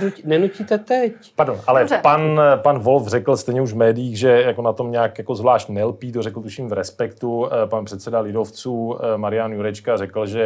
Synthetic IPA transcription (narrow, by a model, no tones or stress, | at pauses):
unɛnuciːt̪ɛt̪ɛcpaɾdonʔalɛpanpanvolfrɛkl̩st̪ɛjɲɛuʒvmɛːdɪjiːɣʒɛjakonat̪o̞mɲaːkjako̞zvlaːʃt̪nɛlpiːt̪orɛkl̩t̪uʃimvɾɛspɛkt̪upanpr̝̥ɛt̪sɛdalɪdoft͡suːmaɾɪjanjuɾɛt͡ʃkarɛkl̩ʒɛ